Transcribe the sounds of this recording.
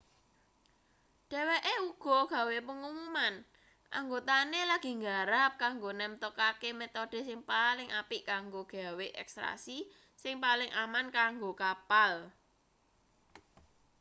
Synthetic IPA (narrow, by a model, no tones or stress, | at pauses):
ɖ̥ɛ̤weʔeuɡ̥ɔ̤ɡ̥ä̤wepəŋumuman | ʔa̰ŋɡot̪anelaɡ̥i̤ŋɡaɾap̚kaŋɡonɛmt̪okakemet̪oɖ̥e̤sɪŋpalɪŋʔapiʔkaŋɡoɡ̥a̤weʔɛ̰kst̪ɾa̰si | sɪŋpalɪŋʔamankaŋɡokapal